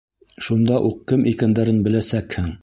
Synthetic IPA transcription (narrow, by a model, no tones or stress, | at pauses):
ʃund̪ɑʔuq̚kɘmʔikænd̪æɾɘnbɘ̆læsækhɘŋ